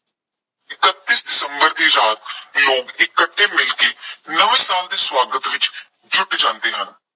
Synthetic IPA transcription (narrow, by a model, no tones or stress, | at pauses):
ɪkət̪ːiːsdɪsəmbəɾd̪iːɾaːt̪loːɡɪkːəʈʰːeːmɪlkenəʋẽːsaːld̪eːswaːɡət̪ʋɪt͡ʃ | d͡ʒʊʈd͡ʒãːnt̪eːɦən